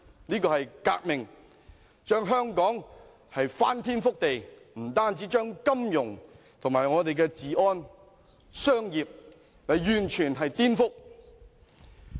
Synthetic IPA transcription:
niː˥kɔː˧hɐ˨jka̰ː˧k̚mɪ˨˩ŋ | t͡ʃœː˥ŋɦœː˥ŋkɔː˨˥ŋ | hɐ˨jfa̰ː˥nt̪ʰiː˥nfʊ˥k̚t̪e˨j | m̩˨˩t̪aː˥nt͡siː˨˥t͡ʃœː˥ŋkɐ˥mjʊ˨˩ŋ | t̪ʰʊ˨ŋmaː˨˩jŋɔː˨˧t̪e˨jkɛ˧t͡siː˨ʔɔː˥n | sœː˥ŋjiː˨p̚ | lɐ˨˧jjyː˨˩nt͡ʃʰyː˨˩nɦɐ˨jt̪iː˥nfʊ˥k̚

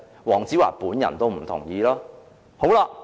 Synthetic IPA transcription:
wɔː˨˩ŋt͡siː˨˥wa̰ː˨˩puː˨˥njɐ̰˨˩nt̪o˥wm̩˨˩t̪ʰʊ̰˨˩ŋjiː˧laː˥ | ho˨˥wla˧ʔ

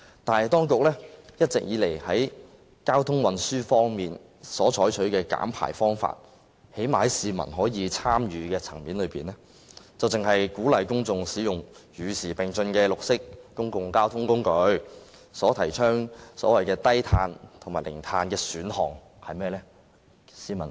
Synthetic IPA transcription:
t̪aː˨n˨jt̪ɔː˥ŋkʊ˨k̚lɛː˥jɐ˥t̚t͡sɪ̰˨k̚jiː˨˥le˨˩jhɐ˨˥j | kaː˥wt̪ʰʊ˥ŋwɐ˨nsyː˥fɔː˥ŋmiː˨n | sɔː˨˥t͡ʃʰɔː˨˥jt͡ʃʰɵ˨˥ɥkɛː˧ka̰ː˨˥mpʰa̰ː˨˩jfɔː˥ŋfa̰ː˧t̚ | he˨˥jmaː˨hɐ˨˦jsiː˨mɐ̰˨˩nɦɔː˨˥jiː˨˧t͡sʰaː˥mjyː˨˧kɛː˧t͡sʰɐ̰˨˩ŋmiː˨˥nlɵ˨˧ɥpiː˨nlɛ˥ | t͡sɐ˨wt͡sɪ˨ŋhɐ˨jkuː˨˥lɐ˨jkʊ˥ŋt͡sʊ˨˧ŋsiː˨˥jʊ˨˩ŋjyː˨˩siː˨˩pɪ˨˩ŋt͡sɵ˧nkɛː˧lʊ˨k̚sɪ˥k̚kʊ˥ŋkʊ˨ŋkaː˥wt̪ʰʊ˥ŋkʊ˥ŋkɵ˨˧ɥ | sɔː˨˥t̪ʰɐ˨˩jt͡ʃʰœː˥ŋsɔ̰ː˨˥wɐ˨jkɛː˧t̪ɐ˥jt̪ʰaː˧nt̪ʰŋmaː˨˩jlɪ̰˨˩ŋt̪ʰaː˧nkɛː˧syː˨˥nhɔ̰ː˨˩ŋ | hɐ˨jmɛː˥lɛː˥ | siː˧˥mɐ̰˨˩n

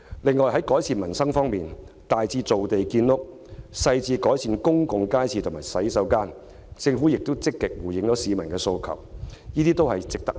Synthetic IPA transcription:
lɪ˨ŋːɔː˨jɦɐ˨˥jkɔː˨˥jsiː˨˧nmɐ˨˩nsɐ˥ŋfɔː˥ŋmiː˨n | t̪aː˨jt͡siː˧t͡so˨wt̪e˨jkiː˧nlʊ˥k̚ | sɐ˧jt͡siː˧kɔː˨˥jsiː˨˧nkʊ˥ŋkʊ˨˧ŋkaː˥jsʰiː˧t̪ʰʊ˨˩maː˨˩jsɐ˨˥jsɐ˨˥wkaː˥n | t͡sɪ˧ŋfu˨˥jɪ˨k̚t̪o˥wt͡sɪ˥kːɪ˨k̚wuː˨˩jɪ˨˥ŋt͡sɔː˨˥siː˨˧mɐ˨˩nkɛː˧so˧wkʰɐ̰˨˩wjiː˥t̪iː˥t̪o˥whɐ˨jt͡sɪ˨k̚t̪ɐ˥k̚

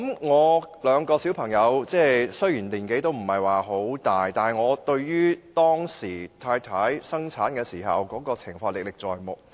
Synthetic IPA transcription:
mŋɔː˨˧lœː˨˧ŋkɔː˧si˨˥wpʰɐ˨˩ŋjɐ˨˧wt͡sɛː˥˩sɵ˥ɥjiː˨˩nliː˨˩nke˨˥jt̪o˥wm̩˨˩hɐ˨jwaː˨˩ɦo˨˥wt̪aː˨jt̪aː˨˩n˩ŋɔː˨˧t̪ɵ˧ɥjyː˥t̪ɔː˥ŋsiː˨˩t̪ʰaː˧jt̪ʰaː˨˥jsɐ˥ŋt͡sʰaː˨˥nkɛː˧siː˨˩ɦɐ̰˨wkɔː˨˥kɔː˧t͡sʰɪ˨˩ŋfɔː˧ŋlɪ˨k̚lɪ˨k̚t͡sɔ̰ː˨jmʊ˨k̚

